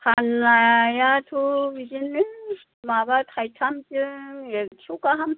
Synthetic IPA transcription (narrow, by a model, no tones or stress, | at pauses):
tʰanajatʰubid͡ʒinːi | mabat̪ʰajtʰamt͡ʃɯet͡ʃʰukaɦam